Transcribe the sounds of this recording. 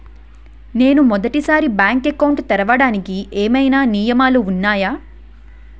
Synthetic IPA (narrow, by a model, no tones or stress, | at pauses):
ne̞ːnumɔd̪ɐʈisaːɾibaːŋkekɐwɳʈt̪ɛɾɐʋɐɽaːnikiʔeːmɐjnaːnijɐmaːluunːaːjaː